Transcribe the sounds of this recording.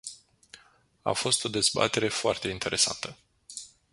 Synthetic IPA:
a̰fo̞st̪o̞d̪e̞zba̰t̪e̞ɾe̞foart̪eint̪e̞ɾʔe̞sa̰nt̪ə

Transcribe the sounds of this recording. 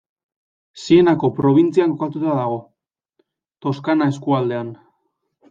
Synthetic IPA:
sie̞nako̞pɾo̞β̞int͡siaŋkokat̪ut̪aðaɣ̞o̞ | t̪o̞skanae̞skuald̪e̞an

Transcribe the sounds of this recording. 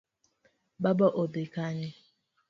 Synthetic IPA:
babɔʔobekaɲɪ

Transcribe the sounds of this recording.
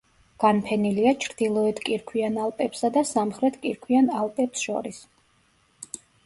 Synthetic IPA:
ɡ̥anpʰɛniliat͡ʃʰɾd̪̥ilˠɔɛt̪ʰkʼiɾkʰwianalˠpʼɛpsad̪asamχɾɛt̪ʰkʼiɾkʰwianalˠpʼɛpsʃɔ̰ɾis

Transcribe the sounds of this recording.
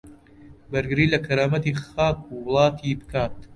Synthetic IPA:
bɐɾɡɨɾiːlɐkʰɐɾaːmɐt̪iːxaːk̚ʰuwʊlˠɑːt̪ʰiːbɨkaːt̪

